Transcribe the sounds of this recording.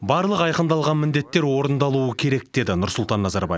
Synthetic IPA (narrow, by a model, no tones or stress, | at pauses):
bɑɾlˠəqɑjqənd̪ɑlˠʁɑnmɪnd̪e̞t̪ːe̞ɾwo̞ɾənd̪ɑlˠuəkʲʰe̞ɾe̞k̚d̪̥e̞d̪ɪnʊɾsʊlˠt̪ɑnːɑzɑɾbɑ̰je